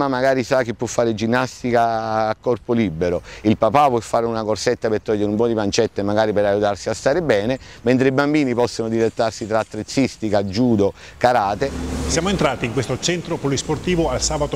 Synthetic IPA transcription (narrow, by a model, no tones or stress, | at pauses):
mamːaɡaːɾisak̟ːepːwɔfːaːɾed͡ʒinːast̪ikaːkːɔrpolibːeɾoilpapapːwɔfːaːɾeunakorset̪ːapert̪ːɔʎːeɾumpɔd̪ipant͡ʃɛt̪ːemaɡaːɾipeɾajːut̪arsiast̪aːɾebɛːne | ment̪ɾeibambiːnipɔsːonod̪ilet̪ːarsit̪ɾaːt̪ːɾet̪sːist̪ikad͡ʒuːd̪o | kaɾaːt̪esjaːmoent̪ɾaːt̪iːŋkwest̪ot͡ʃɛnt̪ɾopolisport̪iːvoalsaːbat̪o